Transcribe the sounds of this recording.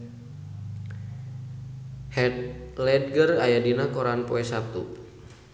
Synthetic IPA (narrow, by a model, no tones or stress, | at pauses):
lɛd̪̚ɡərajadinakɔɾanpɔɛsap̚t̪ṵ